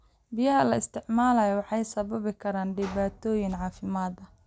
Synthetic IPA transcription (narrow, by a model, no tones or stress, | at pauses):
bɪjɐɦɐlɐɪst̪ʰɪʕmaːlɐjwɑħɑjsɐβɐβɪkʰɐɾaːnɖɪβaːt̪ʰɔːjɪŋʕɑːfɪmaːd̪ɐ